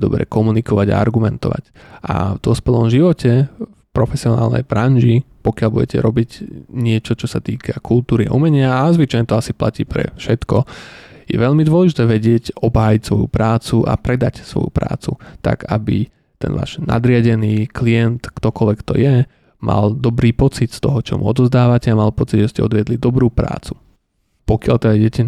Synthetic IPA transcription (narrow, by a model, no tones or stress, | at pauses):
d̪ɔbɾɛ̰kɔmunikɔʋaɟa̰a̰ɾɡumɛnt̪ɔ̰ʋa̰c | ʔa̰vd̪ɔspɛlɔmʒiʋɔcɛfpɾɔfɛsiɔnaːlnɛ̰jbɾanʒipɔkɪalbuɟɛcɛ̰ɾɔbiɟɲɪɛt͡ʃɔt͡ʃɔsat̪iːkʰakult̪uːɾia̰ʔumɛɲɪaːzʋit͡ʃajɲɛt̪ɔasiplaciːpɾɛ̰fʃɛt̪kɔjɛ̰ʋɛʎmid̪ʋɔlɛʒit̪ɛːʋɛɟɪɛcɔbɦaːjicsʋɔjṵpɾaːt͡suʔa̰pɾɛd̪acsʋɔ̰jupɾa̰ːt͡sṵt̪a̰ɡa̰bḭ | t̪ɛ̰nʋa̰ːʒ̥na̰d̪ɾɪaɟɛniːkliɛnt̪kt̪ɔkɔlʋɛkt̪ɔ̰jɛ | mʔa̰ld̪ɔbɾiːpɔt͡sit̪st̪ɔɦɔt͡ʃɔ̰muɔ̰d̪ɔzd̪aːʋacɛamalpɔt͡siɟʒɛscɛɔ̰d̪ʋɪɛd̪lid̪ɔbɾuːpɾa̰ːt͡su̥ | pɔkɪalt̪ɛd̪aɛɛcɛ